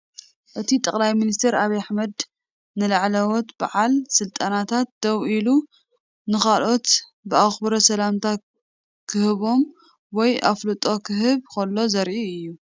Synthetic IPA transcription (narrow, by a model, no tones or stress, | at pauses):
ʔɨt̪ʰit̪ʼɐχʼlajminist̪ʰeɾaβijaħmɐd̪ | nɨlaʕlɐwot̪baʕalsɨlt̪ʼanat̪ʰat̪̚d̪̥ɐwilu | nɨxalʔo̞t̪bɨaxbɐɾɐsɐlamt̪ʰa | kʰɨhɨβo̞m | wɔjʔa̰flɨt̪ʼo̞kʰɨɦɨβkʰɐlːo̞zɐɾʕiɨjːu